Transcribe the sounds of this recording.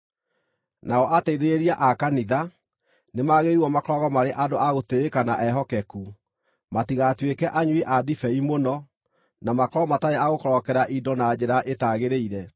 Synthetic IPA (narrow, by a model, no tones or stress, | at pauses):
naɔʔatɛiðeeɾiaʔakaniða | nemaɣeɾiwɔmakɔɾɔɣɔmaɾeʔadoaɣoteɾekanaʔɛɦɔkɛku | matiɣatwekɛʔaɲwiʔadifɛimonɔ | namakɔɾɔmataeaɣokɔɾɔkɛɾaʔidɔnad͡ʑeɾaʔetaɣeɾeiɾɛ